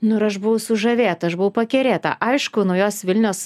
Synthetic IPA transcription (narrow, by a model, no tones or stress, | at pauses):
nʊɪɾɐʃbʊʋɐʊsʊʒɐʋʲeːt̪ɐɐʃbʊʋɐʊpɐkʲɛɾʲeːt̪ɐ̰ʔɐɪʃkʊnʊjoːsʋʲɪlʲnʲoːs